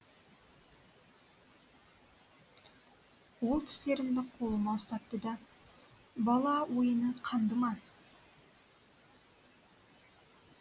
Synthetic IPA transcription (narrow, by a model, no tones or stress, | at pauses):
wolˠt̪ʰɪ̥st̪e̞ɾɪnd̪ɪqʰo̞lˠəmɑst̪ɑt̪̚ːəd̪ɑ | bɑlˠɑwojənəqʰɑnd̪əmɑ